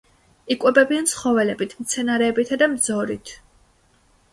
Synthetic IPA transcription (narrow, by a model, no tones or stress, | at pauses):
ikʼɛbɛbiant̪sʰχɔvɛlɛbit̪ʰmt̪sʰɛnaɾɛːbit̪ʰad̪amd̪zɔɾit̪ʰ